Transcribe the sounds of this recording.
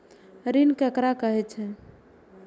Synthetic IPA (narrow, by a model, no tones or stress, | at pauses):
ɾinkəkɾakəɦɛt͡ʃʰɛ